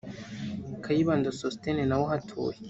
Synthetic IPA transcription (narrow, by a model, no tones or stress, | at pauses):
kʰajiβaːndosostenenawoɦatʰo̰ːje